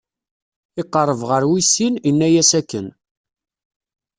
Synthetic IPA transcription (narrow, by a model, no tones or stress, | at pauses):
ɪqːərˤːəvʁəɾwisːininːæjæsækːən